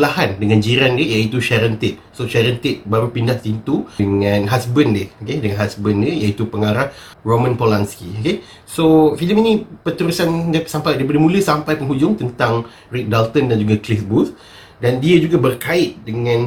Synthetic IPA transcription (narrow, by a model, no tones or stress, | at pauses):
lahandəŋãnd͡ʒiɾandəjait̪uʃaɾənt̪ɪʔ̚soʃaɾənt̪ɪʔ̚baɾupindaht̪int̪uəŋãnɦasbəndɪhokedəŋanɦasbəndəjait̪upəŋaɾah | romə̃npolanskioke | sofiləminĩpət̪əɾusandasampajdaip̬adəmũləsampajpəŋɦud͡ʒʊŋt̪ənt̪aŋ | rik̚dalt̪əndand͡ʒuɡaklifbus | dandiad͡ʒuɡabərkaɪt̪̚dəŋãn